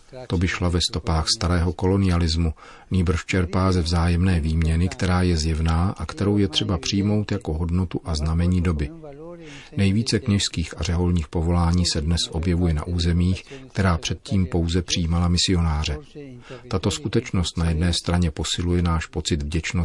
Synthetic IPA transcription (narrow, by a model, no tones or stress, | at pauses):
t̪o̞bɪʃlavɛst̪o̞paːxst̪aɾɛːɦo̞ko̞lo̞nɪalɪzmu | ɲiːbr̩ʃt͡ʃɛɾpaːzɛvzaːjɛmnɛːviːmɲɛnɪkt̪ɛɾaːjɛzjɛvnaːʔakt̪ɛɾo̞wjɛt̪r̝̥ɛbapr̝̥ɪjmo̞wt̪jako̞ɦo̞dno̞t̪uʔaznamɛɲiːdo̞bɪ | nɛjviːt͡sɛkɲɛʃskiːxarɛɦo̞lɲiːxpo̞vo̞laːɲiːsɛdnɛsʔo̞bjɛvujɛna̰ʔuːzɛmiːxkt̪ɛɾaːpr̥ɛt̪̚ciːmpo̞wzɛpr̝̥iːmalamɪsɪo̞naːr̝ɛt̪at̪o̞skut̪ɛt͡ʃno̞st̪najɛdnɛːst̪ɾaɲɛpo̞sɪlujɛnaːʃpo̞t͡sɪd̪vɟɛt͡ʃno